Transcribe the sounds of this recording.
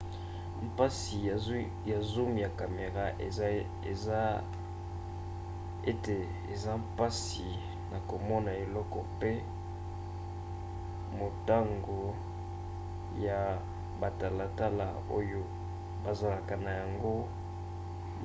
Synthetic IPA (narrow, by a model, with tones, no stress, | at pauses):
m̩˦pa˦si˨ | ja˨zu˦m˨ja˨ka˨me˨ʁa˦ʔe˨ | a˦ | e˦te˨ | ḛ˨za˦m˦pa˦s | i˨ | na˨ko˨mɔ˦na˨e˨lɔ˦kɔ˨pe˦ | mo˨ta˦ŋɡo˨ | ja˨ | ba˨ta˨la˨ta˦la̰˨ | o˦jo˦ | ba˨za˨la˨ka˨na˨ja˨ŋɡo˦